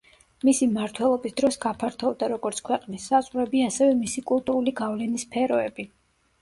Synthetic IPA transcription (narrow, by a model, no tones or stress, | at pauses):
misimaɾt̪ʰwɛlˠɔbisd̪ɾɔsɡapʰaɾt̪ʰɔvd̪aɾɔɡɔɾt̪sʰkʰwɛqʼnisːazʁɾɛbiasɛvɛmisikʼulˠt̪ʼuɾuliɡavlɛnispʰɛɾɔɛbi